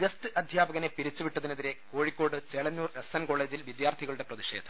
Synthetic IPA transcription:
ɡɐstɨʔɐd̪ʱjaːbɐɣɐne̞piɾit͡ɕːuʋiʈːɐðineðiɾe̞ko̞ːɻikʲːo̞ːɽɨt͡ɕeɭɐnːuːresenko̞ːɭe̞ːd͡ʑilʋid̪jaːrt̪ʰiɣɐɭuɽeprɐðiʂe̞ːd̪ʰʱɐ̥m

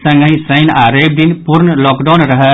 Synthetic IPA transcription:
sɐ̃ŋɡəɦĩsɐjnaɾejb̚d̪inpuɾnəlɔkɖanɾəɦə

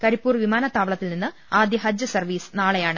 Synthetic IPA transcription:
kɐɾipːuːrʋimaːnɐt̪ːaːʋɐɭɐt̪ːilninːɨ | aːd̪jɐɦɐd͡ʑjɐsɐrʋiːsɨ̥naːɭejaːɳɨ

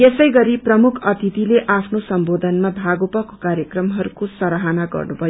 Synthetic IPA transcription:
jesʌjɡʌɾiprʌmukʰʌt̪ʰit̪ileʔapʰnosʌmbod̪ʱʌnmabʱaɡopʌkokaɾjekrʌmɦʌɾukosʌɾaɦanaɡʌ̰rnubʱʌjo

